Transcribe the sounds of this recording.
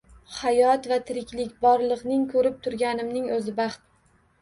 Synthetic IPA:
hajɒt̪vat̪ʰɪɾɪkʲlɪkʲbɒɾlˠɨqnɪŋkʰɵɾɪp̚t̪ʰʊɾɡʲanɪmnɪŋɵzɪbɑχt̪̚

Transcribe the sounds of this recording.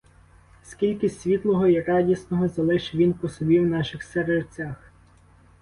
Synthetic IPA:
skʲilʲkɪsʲʋʲit̪lˠɔɦɔirɑdʲisnɔɦɔzɐlˠɪʃɪʋʲinpɔsɔbʲiwnɑʃɪxseɾet͡sʲax

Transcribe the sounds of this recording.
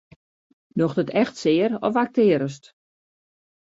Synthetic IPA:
noxdətɛxtsɪːəɾɔ̰fak̚tɪəɾəst

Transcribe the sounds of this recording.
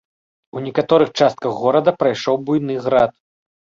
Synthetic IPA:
unʲɛkat̪ɔɾɨxt͡ʂast̪̚kɐɣɣɔɾɐd̪ɐpɾajʂɔwbujn̪ɨɣɾat̪̚

